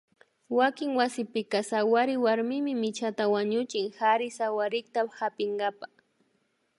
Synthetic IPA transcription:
wakɪŋwasɪpɪkasawaɾɪwaɾmɪmɪmɪt͡ʃat̪awaɲʊt͡ʃɪŋhaɾɪsawaɾɪkt̪ahapɪŋɡapa

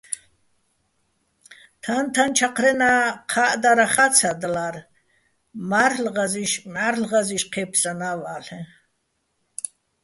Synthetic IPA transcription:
t̪ʰant̪ʰant͡ʃʰaqʰɾɛnaqʰaʔd̪aɾaχat͡sʰad̪lar | maɾlʁaziʃmʕaɾlʁaziʃqʰɛpʰsanavaːɬɛ

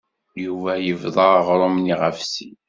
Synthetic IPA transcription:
juvæjəvðˤɑʁɾˤomniʁəfsi

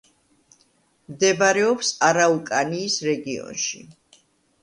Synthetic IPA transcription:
md̪ɛbaɾɛɔpsaɾaukʼaniːsɾɛɡiɔ̰nʃḭ

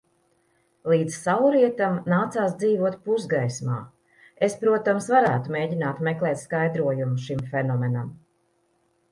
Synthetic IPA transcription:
lˠiːd̪zsawɾiɛt̪amnaːt̪saːsd̪ziːvuɔt̪̚puzɡajsma̰ː | espɾuɔt̪amsvaɾæ̰ːt̪umeːɟinaːt̪meklˠɛːt̪skajd̪ɾuɔjumuʃimfenɔmenam

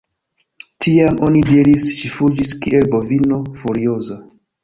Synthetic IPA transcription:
tʰiamonidiɾisʃifud͡ʒiskiʔelbovinofuɾioza

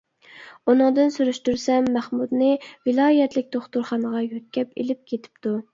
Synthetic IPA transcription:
unɨŋd̪ɨnsyɾyʃt̪yɾsɛmːæχmud̪nɨvɪlˠɑːjɛt̪lɪk̚ʲd̪oχt̪uɾχɑnəʁɑjøt̪̚kʲɛpḛlɪp̚kʲʰet̪ʰɪ̥p̚t̪u

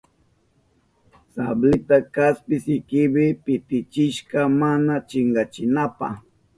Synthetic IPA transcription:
sablɪt̪akaspɪsɪkɪbɪpɪt̪ɪt͡ʃɪʃkamanat͡ʃɪŋɡɑt͡ʃɪnapa̰

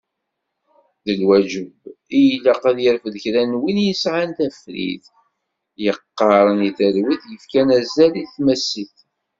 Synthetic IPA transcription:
ðəlwæd͡ʒəbijlæqaðjəɾfðçɾænwinjəsʕant̪æfɾḭθ | jəqːɑɾˤəniθəɾwiθjəfkænæzæliθmæsiθ

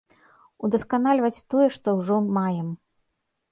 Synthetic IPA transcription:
ud̪ɐskanalʲvɐt͡sʲt̪ɔjɛʂt̪ɔwʐɔmajɛm

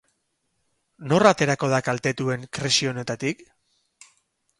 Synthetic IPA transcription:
no̞rat̪e̞ɾako̞ð̞akalt̪e̞t̪ue̞ŋkɾesio̞ne̞t̪at̪ik

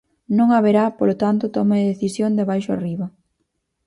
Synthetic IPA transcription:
nõŋaβeɾapolot̪ant̪ʊt̪ɔmeðeθisjoŋd̪eβajʃʊa̰riβɐ

